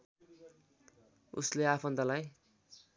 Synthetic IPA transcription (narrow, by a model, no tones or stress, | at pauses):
ṵsleapʰʌnd̪ʌlaj